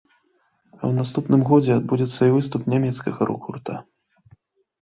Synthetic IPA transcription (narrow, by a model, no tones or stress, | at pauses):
ɐ̰wnast̪upnɨmɣɔd͡zʲɛad̪̚bud͡zʲɛt̪sːɐivɨst̪upnʲamʲɛt̪skɐɣɐɾṵkurt̪a